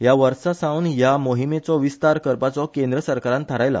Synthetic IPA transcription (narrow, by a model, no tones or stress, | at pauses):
jaʋəɾsasaunjamoɦimet͡sɔʋist̪aɾkəɾpat͡sɔkẽnd̪ɾəsəɾkaɾãnt̪ʰəɾajla̰